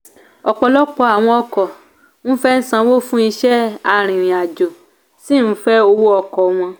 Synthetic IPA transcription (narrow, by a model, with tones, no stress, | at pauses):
ɔ˨k͡pɔ˨lɔ˦k͡pɔ˧a˨w̃ɔ̃˧ɔ˧kɔ˨ | ñ̩˦fɛ˦n̩˦sã˧˦wo˦fũ˦i˧ʃɛ˦a˧ɾ̃ĩ˨ɾĩ˨a˨d͡ʒo˨ | si˦˨ñ̩˦fɛ˦o˧wo˦ɔ˧kɔ˨w̃ɔ̃˧